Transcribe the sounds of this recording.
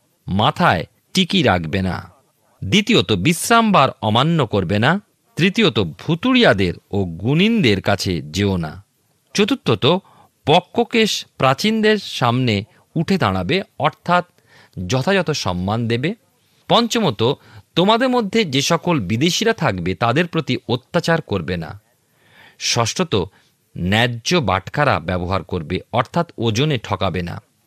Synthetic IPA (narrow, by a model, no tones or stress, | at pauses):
mat̪ʰae | ʈikiɾa̰kbena̰ | d̪it̪iot̪obisɾambaɾɔmanːokoɾbena | t̪ɾit̪ijot̪obʱut̪uɽijad̪eɾoɡunind̪eɾkat͡ɕʰḛd͡ʑeona̰ | t͡ɕot̪ut̪ːɾot̪o | pɔkːokeʃpɾat͡ɕind̪eɾʃamne | uʈʰed̪a̰ɽ̃abeɔɾt̪ʰat̪̚ | d͡ʑɔt̪ʰad͡ʑɔt̪oʃɔ̰mːand̪ebe | pɔnt͡ɕomot̪ot̪omad̪eɾmod̪ʱːed͡ʑeʃɔkolbid̪eʃiɾat̪ʰakbet̪ad̪eɾpɾot̪iot̪ːat͡ɕaɾkoɾbena̰ | ʃɔʃʈot̪o | nɛd͡ʑoba̰ʈʰkaɾa̰bɛboɦa̰ɾkoɾbeɔɾt̪ʰat̪od͡ʑoneʈʰɔkabena̰